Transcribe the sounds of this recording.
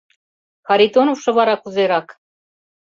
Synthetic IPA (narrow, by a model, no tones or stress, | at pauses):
xɑɾid̪onofʃɤ̆βɑɾɑkuzeɾɑk